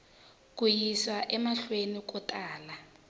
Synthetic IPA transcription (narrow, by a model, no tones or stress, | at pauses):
k̬ʼujiswaʔɛmaɬwenikɔtʼaːla